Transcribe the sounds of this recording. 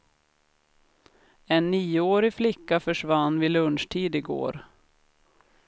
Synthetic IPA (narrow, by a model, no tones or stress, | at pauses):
ɛnːiːʊoːɾɪflɪkːafœʂvanːvɪlɵnʂʈʰiːd̪ɪɡo̰ːɾ